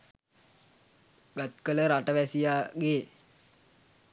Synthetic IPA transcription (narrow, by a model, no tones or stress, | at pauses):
ɡat̪̚kələɾaʈəʋæsijaːɡe